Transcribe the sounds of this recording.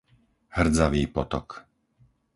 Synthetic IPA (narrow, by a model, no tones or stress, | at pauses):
hr̩d͡zaʋiːpɔt̪ɔk